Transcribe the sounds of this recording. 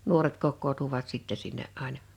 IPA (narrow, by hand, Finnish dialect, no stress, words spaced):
nuoret kokːoːtuʋɑt siˑtːɛ sinːeʔ ʔɑˑenɑ